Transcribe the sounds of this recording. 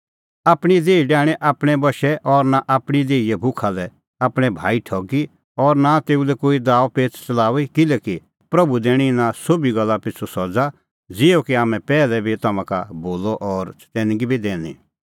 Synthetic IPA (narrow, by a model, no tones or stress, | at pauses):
aːpɽ̃id̪eːiɖɛːɽ̃ɛ̃ʔaːpɽ̃ɛbɐʃɛʔɔːɾnaʔaːpɽ̃id̪eːiɛbʱʊkʰalɛ | aːpɽ̃ɛbʱa̰ːiʈʰɔːɡi | ɔːɾnat̪eːulɛkoːid̪aːʋpeːt͡st͡sɐlaːʋikɪlɛki | pɾɐbud̪eːɽ̃inasoːbiɡɐlːapɪt͡sʰosɔd͡za | d͡zɪjokiaːmɛ̃pɛːlɛbʱit̪ɐmãkaboːlɔʔɔːɾt̪ɛːnɡibʱid̪eːñḭ̃ː